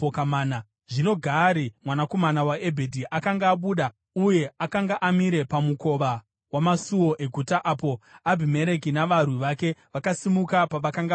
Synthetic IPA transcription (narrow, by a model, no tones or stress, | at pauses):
okamaːna | ʐino̞ɡʱaɾimwanako̞manawae̞bʱe̞dʱiʔakaŋɡaːɓuːɗa | uje̞akaŋɡaʔamiɾe̞pamuko̞ʋa | wamasuwo̞ʔe̞ɡʱutaʔaːpo̞abʱime̞ɾek̬inaʋarwiʋake̞ʋakasimukapaʋakaŋɡa